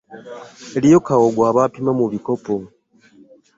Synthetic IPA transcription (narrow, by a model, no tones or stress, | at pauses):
elijo̞kawoɡwaːβaːpimamuβiko̞po